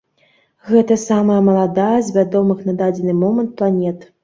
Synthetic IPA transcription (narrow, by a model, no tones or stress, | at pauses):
ɣɛt̪ɐsamɐjɐmɐlˠad̪ajɐzʲvʲad̪ɔmɨxnad̪ad͡zʲɛnɨmɔmɐnt̪̚plˠanʲɛt̪